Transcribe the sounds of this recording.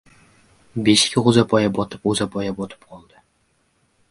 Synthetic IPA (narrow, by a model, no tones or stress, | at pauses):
beʃɪ̥kʲʰɪʁʊzapʰɒjabɒt̪ʰɨpʁuzapʰɒjabɒt̪ʰɪ̥p̚qʰɒlˠd̪ɪ